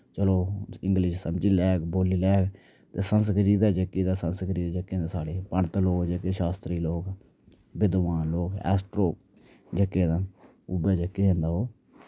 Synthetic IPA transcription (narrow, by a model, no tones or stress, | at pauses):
t͡ʃəloːɪ̃ŋɡlɪʃsəmd͡ʒiːlɛːkboːliːlɛːk | t̪eːsənsɡəɾiːd̪aːd͡ʒəkːiːd̪aːsənsɡəɾiːd̪ad͡ʒəkːẽːd̪ːsaːɽeːpəɳt̪loːkd͡ʒəkeːʃaːst̪ɾiːloːk | bɪd̪ʋaːnloːkɛ̰ːsʈɾoː | d͡ʒəkːeːd̪aː | ʊbeːd͡ʒəkːiɦẽːnd̪aːɦoː